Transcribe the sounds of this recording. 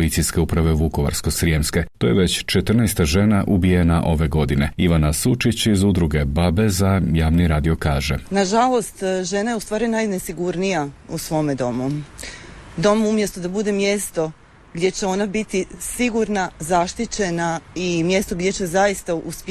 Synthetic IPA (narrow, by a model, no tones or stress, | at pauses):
lisijske̞upɾaʋe̞ʋuko̞ʋa̰ɾsko̞sɾiemske̞t̪ojeʋet͡ɕt͡ʃet̪r̩nɛjst̪aʒe̞naʔubije̞naʔo̞ʋe̞ɡo̞d̪ine̞iʋanasut͡ʃit͡ɕizud̪ɾuɡe̞babe̞zajaːʋniɾaːd̪io̞kaːʒḛnaʒalˠo̞st̪ʒe̞najeust̪ʋaːɾinajnesiɡuɾnijausʋo̞ːmed̪o̞mu | d̪o̞muumje̞st̪ud̪abud̪emje̞st̪o | ɡd̪ʲje̞t͡ɕeo̞nabit̪isiɡuɾnazaʃt̪it͡ɕe̞naimje̞st̪o̞ɡd̪je̞t͡ɕe̞zajist̪ausp